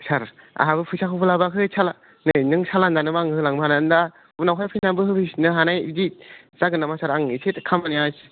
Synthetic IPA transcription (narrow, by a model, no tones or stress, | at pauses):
saɾ | a̰ɦabɯpʰɯsakʰɯwpʰɯlabakʰɯsʰala | nɯjnɯŋsʰalandanɯmaŋhɯlaŋbɯhanaɯnda | bnawkʰajpʰɯjnanbɯɦɯbʰɯsnɯɦanajidi | z̥aɡɯnamasaɾaŋisʰetkʰamanijas